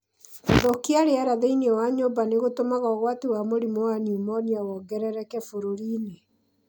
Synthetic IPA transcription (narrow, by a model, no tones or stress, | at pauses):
ðokiaɾeaɾaðeiniɛwaɲobaneɣotomaɣɔɣwatewamoɾimowanumɔniaɣɔɡɛɾɛɾɛkɛfoɾoɾiːne